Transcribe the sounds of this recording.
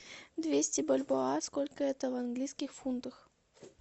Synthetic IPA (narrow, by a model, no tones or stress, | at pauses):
d̪vʲesʲtʲɪbəlʲboaskolʲkəɛt̪əvanɡlʲijskʲɪxfunt̪əx